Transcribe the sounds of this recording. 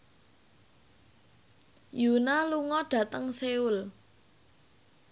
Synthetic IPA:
junaluŋɔɖ̥ä̤t̪əŋseul

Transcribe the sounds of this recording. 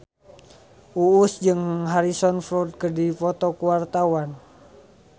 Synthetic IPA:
ʔuːsd͡ʒɨŋɦaɾisɔnfɾɔd̪̚kərdipɔt̪ɔkuart̪awan

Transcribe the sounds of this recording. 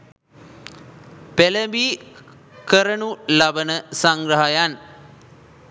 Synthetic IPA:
peləbi | kəɾənulabənəsaŋɡrəɦajan

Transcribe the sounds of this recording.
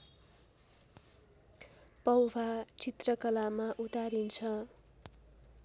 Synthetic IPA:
pʌwbʱat͡sit̪rʌkʌlamaʔut̪aɾint͡sʰʌ

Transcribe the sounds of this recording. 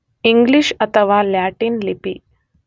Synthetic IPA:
iŋɡliɕət̪ʰəʋalaʈiːnlipḭː

